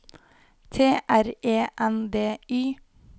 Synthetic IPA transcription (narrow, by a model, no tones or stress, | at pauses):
t̪ʰeːʔæɾeːʔɛnd̪eːyː